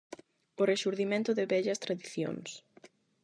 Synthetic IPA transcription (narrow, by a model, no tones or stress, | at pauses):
ʊreʃuɾðimẽnt̪ʊðɪβɛʎɐst̪ɾaðiθjo̰ŋs